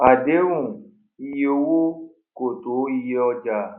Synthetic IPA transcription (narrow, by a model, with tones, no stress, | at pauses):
a˨de˨˦wũ˦˨ | i˧je˦o˧˦wo˦ | ko˨to˨˦i˧je˧˦ɔ˧d͡ʒa˧˨